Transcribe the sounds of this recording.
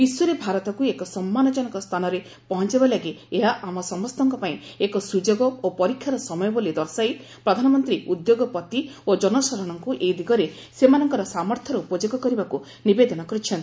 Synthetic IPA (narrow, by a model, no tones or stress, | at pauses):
biswɔɾebʱaɾɔt̪ɔkuekɔsɔmːanɔd͡ʒɔnɔkɔst̪ʰanɔɾe | pɔɦɔnt͡ʃibalaɡieɦaʔamɔsɔmɔst̪ɔŋkɔpaĩekɔsud͡ʒoɡɔopɔɾikʰːjaɾɔsɔmɔjɔbolid̪ɔɾsai | pɾɔd̪ʱanɔmɔnt̪ɾiud̪joɡɔpɔt̪iod͡ʒɔnɔsɔɾɔɽ̃ɔŋkuʔejd̪iɡɔɾe | semanɔŋkɔɾɔsamɔɾt̪ʰjɔɾɔupɔd͡ʒoɡɔkɔɾibaku | nibed̪ɔnɔkɔɾit͡ʃʰɔnt̪i